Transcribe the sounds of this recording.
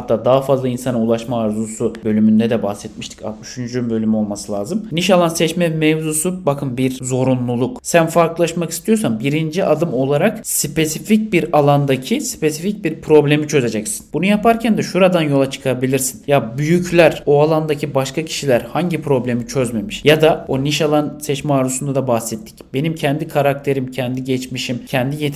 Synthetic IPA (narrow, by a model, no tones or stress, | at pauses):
at̪ːaːd̪aɦafazlˠainsanɯulˠaʃmaːɾzusubø̞lʲymynd̪ɛd̪ɛbahsɛt̪̚miʃt̪ʰi̥cʰa̰yʃynd͡ʒyymbø̞lʲymyo̞lˠmasɯlʲˠaːzɯmniʃalˠansɛt͡ʃmɛmevzusubakʰɯmbiɾzo̞ɾunlˠulˠuksænfaɾklˠaʃmakist̪ʰijo̞s̬ambiɾind͡ʒiʔad̪ɯmo̞lˠaɾakspʰe̞sific̚biɾalˠand̪acʰispe̞sific̚biɾpʰɾo̞blʲe̞mit͡ʃʰø̞ze̞d͡ʒɛcsi̥nbunujapʰaɾcʰænd̪ɛʃuɾad̪anjo̞lˠat͡ʃʰɯ̥kʰabilʲiɾsi̥njabyjycʰlʲæɾoalˠand̪acʰibaʃkʰacʰi̥ʃilʲæɾhaɲɟipʰɾo̞blʲe̞mit͡ʃʰøzme̞miʃjad̪ao̞niʃalˠansɛt͡ʃmɛaːɾusund̪ad̪abahsɛt̪ʰːi̥cb̥e̞nimcʰɛnd̪ikʰaɾak̚t̪ʰe̞ɾimcʰɛnd̪iɟɛt͡ʃmiʃimcʰɛnd̪ije